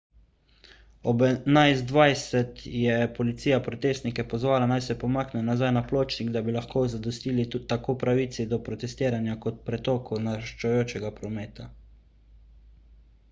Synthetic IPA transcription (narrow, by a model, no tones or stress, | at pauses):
ɔbɛnajzd̪ʋajsɛt̪jɛpɔlit̪sijapɾɔt̪eːst̪nikɛpɔzʋaːlanajsɛpɔmaːknɛnazajnaploːt͡ʃniɡd̪abilaxkoːzad̪ɔst̪iːlit̪akoːpɾaʋiːt̪sid̪ɔpɾɔt̪ɛst̪iːɾanjakɔt̪̚pɾɛt̪ɔːkonaʃt͡ʃɔjoːt͡ʃɛɡapɾɔmeːt̪a